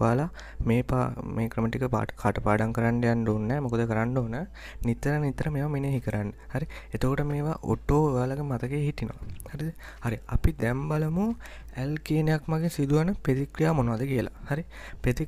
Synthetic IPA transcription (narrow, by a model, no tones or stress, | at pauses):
aːla | meːpa̰meːkɾəməʈikːəpa̰ːkʰaːʈəpaːɖaŋkəɾanɖejanɖoːnːɛːmokəd̪əkəɾaɳɖoːnə | nit̪ːəɾənit̪ːəɾəmeːʋamineɦikəɾanːəhaɾiet̪əkoʈəmeːʋaʔo̰ʈːoːeʋaːlaɡemat̪əkeːɦit̪ino̰ʋa̰haɾid̪ | haɾia̰pid̪ɛmbaləmu | ælkeːnejakmaɡesid̪uʋanəpet̪ikɾijaːmonoʋad̪əkijəla̰haɾi | pet̪i